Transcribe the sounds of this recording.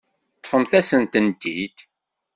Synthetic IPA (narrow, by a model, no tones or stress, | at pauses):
t̪ˤːfəmθæsənt̪ənt̪id̪